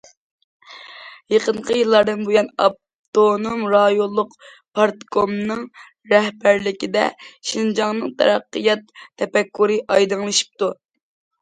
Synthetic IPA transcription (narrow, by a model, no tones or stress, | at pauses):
jeqəɴqʰəjɨlˠːɑɾd̪ɨnbujɛnɑ̰p̚ | t̪onomɾɑjolˠːʊq | pʰɑɾt̪komnɨŋ | ɾɛhbæɾlɪkʲid̪ɛ̰ʃind͡ʒɑŋnɨŋt̪ʰɛ̰ɾɑqːəjɑt̪ʰːɛpɛkːuɾɨʔɑjd̪ɨŋlˠʃi̥p̚t̪u